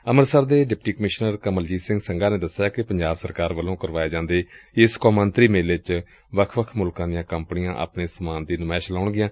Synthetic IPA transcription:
əməɾsəɾd̪eːɖɪp̚ʈiːkəmɪʃnəɾkəməld͡ʒiːsɪ̃ŋɡsəŋɡaːneːd̪əsːjaːkɪpəɲd͡ʒaːbsəɾkaːɾʋəlõːkəɾʋaːeːd͡ʒãːnd̪eːɪskoːmənt̪ɾiːmeːlɪt͡ʃ | ʋəkʰʋəkʰmʊlkãːd̪ɪjãːkəmpnɪjãːʔa̰ːpɳeːsəmaːnd̪iːnʊmɛːʃlaːɳɡɪjãː

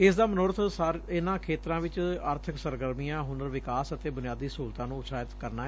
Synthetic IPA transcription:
ɪsd̪aːmənoːɾt̪ʰsaɾɪnãːkʰeːt̪ɾãːʋɪt͡ʃəɾt̪ʰəksəɾɡəɾmijãːɦʊnəɾʋɪkaːsət̪eːbʊnɪjaːd̪iːsuːɾt̪ãːnũːʊsaːjɪt̪kəɾnaːɦɛ

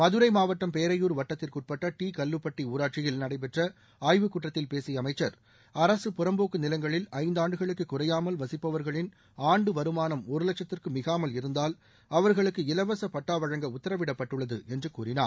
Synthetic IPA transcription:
mɐðɯɾɐɪmaːʋɐʈːɐmpeːɾɐjuːɾʋɐʈːɐt̪ːɪlkʊʈ̚pɐʈːɐʈiːkɐlːɯpːɐʈːiuːɾaːʈ̚t͡ʃɪjɪlnɐɽɐɪp̬ɛʈrɐ | aːjʋɯkʊʈrɐt̪ːɪlpeːsɪjɐmɐɪt͡ʃːɐɾ | ɐɾɐsɯpʊɾɐmboːkːɯnɪlɐŋɡɐɭɪlɐɪnd̪aːɳɖɯɣɐɭɯkːɯkːʊrɐjaːmɐlʋɐsɪpːɐʋɐɾɣɐɭɪn | aːɳɖɯʋɐɾɯmaːnɐmɔɾɯlɐkt͡ʃɐt̪ːɪrkɯmɪɣaːmɐlɪɾɯnd̪aːl | ɐʋɐɾɣɐɭɯkːɯɪlɐʋɐsɐpɐʈːaːʋɐɻɐŋɡɐʊt̪ːɐɾɐʋɪɽɐpːɐʈːɯɭːɐðɯɛndrɯkuːrɪna̰ː

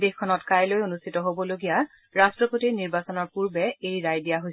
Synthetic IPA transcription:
dexʰːɔnɔtkajlojonustʰitɔɦobɔloɡija | ɹastɹɔpotiniɹbasɔnɔɹpuɹbɛejɹajdijaɦojs

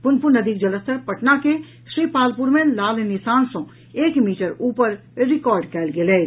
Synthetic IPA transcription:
pʊnpunəd̪ik̚d͡ʒələst̪ʰəɾpəʈnake | ʃɾiːpaːlpuɾmẽlaːlnisaːnsɔ̃ | eːkmiːʈəɾuːpəɾ | ɾɪkɔːɾɖkɛːlɡelɛ

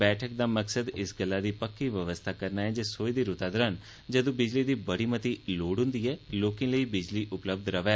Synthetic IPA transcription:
bɛːʈʰək̚d̪aːməksəd̪ɪsɡəlːad̪iːpəkːiʋjəʋəst̪ʰakəɾnaɛ̃d͡ʒeːsoːid̪iɾʊt̪ad̪əɾɦən | d͡ʒɐd̪ũbɪd͡ʒlid̪iːbɐɽimət̪iloːɽɦʊ̃nd̪iɦɛːloːkĩləibɪd͡ʒliʔʊpləb̚d̪ɾɐʋɛː

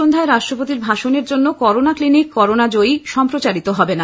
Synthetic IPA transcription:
ond̪ʱaeɾaʃʈɾopot̪iɾbʱaʃoneɾd͡ʑonːokɔɾonaklinikːɔɾonad͡ʑojʃɔmpɾot͡ɕaɾit̪oɦɔbena

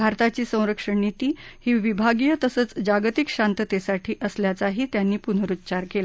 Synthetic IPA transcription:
bʱaɾt̪at͡ɕiːsə̃w̃ɾəkʂəɳnit̪iːhiːʋibʱaɡijət̪əsət͡sd͡ʑaɡt̪ikɕant̪ət̪esaʈʰiːʔəsljat͡saɦiːt̪janːiːpun̤əɾut̪ːt͡ɕaɾkela

